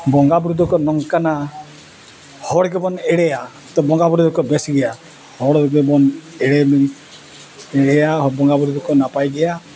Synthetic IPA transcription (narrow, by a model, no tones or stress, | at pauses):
bɔŋɡabɾud̪ʱɔkɔnɔŋkana | hɔɽɡebɔneɽeja | t̪ɔbɔŋɡabɾud̪ɔkɔbesɡɛja | hɔɽɡebɔneɽemi | eɽejaɦbɔŋɡabɾud̪ʱɔkɔnapajɡɛja